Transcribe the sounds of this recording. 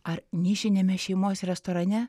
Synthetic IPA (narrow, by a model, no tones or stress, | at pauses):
ɐɾnʲiʃʲɪnʲemʲɛʃʲɛɪmoːsʲɛɾʲɛst̪oːɾɐnʲɛ